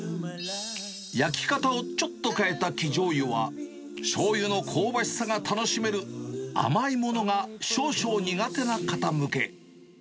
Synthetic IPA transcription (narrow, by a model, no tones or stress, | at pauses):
jakʲi̥kat̪ao̞t͡ɕo̞t̪ːo̞kae̞t̪akʲiʑo̞ːjɯβa̰ | ɕo̞ːjɯno̞kʰo̞ːbaɕi̥saɡat̪ano̞ɕime̞ɾɯ̟a̰maimo̞no̞ɡaɕo̞ːɕo̞ːɲ̟iɡat̪e̞nakat̪amɯ̟ke̞